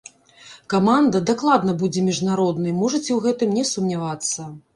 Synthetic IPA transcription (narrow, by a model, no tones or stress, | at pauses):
kamand̪ɐd̪aklˠad̪nɐbud͡zʲɛmʲiʐnaɾɔd̪nɨjmɔʐɐt͡sʲiwɣɛt̪ɨmnʲɛsumnʲavat̪sːɐ